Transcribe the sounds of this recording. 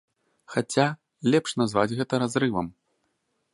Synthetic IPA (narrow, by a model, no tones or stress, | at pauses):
xat͡sʲa | lʲɛpʂnazva̰d͡zʲɣɛt̪ɐɾazɾɨvɐ̰m